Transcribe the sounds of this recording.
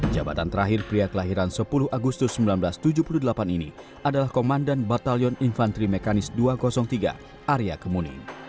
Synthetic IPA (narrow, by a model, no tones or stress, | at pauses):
d͡ʒa̰ba̰t̪ant̪əɾaɦirpɾiakəlaɦiɾansəpuluhʔaɡust̪ʊsːəmbilanbəlast̪ud͡ʒupuluhdəlapaninḭ | ʔadalahkomandanbat̪aliɔninfant̪ɾimekanɪsduakɔsɔŋt̪iɡa̰ | ʔaɾiakəmunḭn